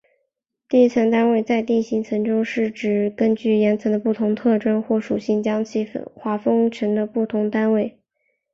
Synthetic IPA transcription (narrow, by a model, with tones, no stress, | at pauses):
t̪i˥˧i˥˩t͡sʰa˥nt̪a˥nwe˥˧ɪt͡sa˥˧ɪt̪i˥˩nɕi˧˥ŋt͡sʰɤ˧˥ŋʈ͡ʂʊ˥ŋʂɻ̩˥˩ʈ͡ʂɻ̩˨˩kə˥nt͡ɕy˥˩jɛ˧˥nt͡sʰɤ˧˥ŋd̪ə˧pu˥˩t̪ʰʊ˧˥ŋt̪ʰɤ˥˩ʈ͡ʂə˥nxwɔ˥˩ʂu˨˩ɕi˥˩ŋt͡ɕjɑ˥ŋt͡ɕʰi˥˩fxwa˧˥fɤ˥ŋʈ͡ʂʰə˧˥ŋd̪ə˧pu˥˩t̪ʰʊ˧˥ŋt̪a˥nwe˥˩ɪ